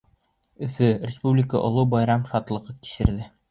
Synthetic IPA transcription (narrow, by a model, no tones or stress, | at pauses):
ɵ̆fɵrʲɪspublʲɪkəʔŏ̰lˠɤbɑjɾɑmʃɑt̪lˠɤ̆ʁɤki̥ʃɘ̆ɾðɘ